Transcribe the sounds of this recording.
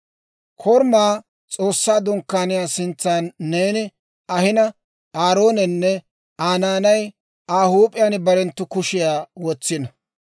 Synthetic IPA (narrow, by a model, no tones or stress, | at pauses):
kʰɔɾmaː | t͡sʼo̞ːsːaːd̪ʊŋkːaːnɪjaːsɪnt͡sːaːnːeːnɪ | ɐhɪnɐ | aːɾo̞ːnɛnːɛ | aːnaːnɐj | aːhuːpʼɪjaːnbɐɾɛnt̪ːʊkʊʃɪjaːwɔt͡sːɪnɐ